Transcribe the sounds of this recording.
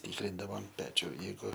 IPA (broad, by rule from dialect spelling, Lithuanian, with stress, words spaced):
ˈtʲiːkrʲɪndɐʋoːm ˈpʲæːt͡ʃʲʊ ˈjɛɪɡʊ